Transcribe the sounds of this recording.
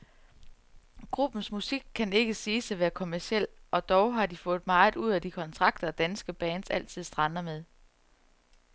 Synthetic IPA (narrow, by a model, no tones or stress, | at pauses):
ɡ̥ʁub̥n̩smusiɡ̥̚kʰːæne̝ɡ̥əsiːsæʋæːɐkʰo̝mæɐsiel̰ɒ̽d̥ɒʊɦɑ̈d̥ifɔ̽ːð̩ˠmɑ̈ːð̩ˠuð̞̰ˠæd̥ikʰɒ̽nt͡sʰʁɑ̈ɡ̥̚d̥ɐːd̥ænsɡ̥əb̥ɛːnsæl̰t͡sʰið̞̰ˠsd̥ʁɑ̈nɐmeð̞ˠ